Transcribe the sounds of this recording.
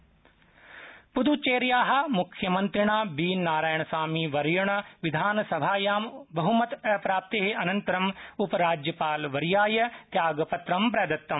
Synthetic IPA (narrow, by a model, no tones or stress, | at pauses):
pud̪ut͡ʃeːɾjaːɦɐ̆mʊkʰjɐmɐ̃nt̪ɾɪɳ̃aːbiːnːaːɾaːjəɳ̃saːmiːʋɐɾjɐɳ̃ʋɪd̪ʱaːnsɐbʱaːjaːmbɐɦumɐt̪ɐpɾaːp̚t̪eɦeɐnɐ̃nt̪ɐɾɐmʊpɾaːd͡ʒjɐpaːlʋɐɾjaːjɐt̪jaːɡpɐt̪ɾɐmpɾɛːd̪ɐt̪ːɐm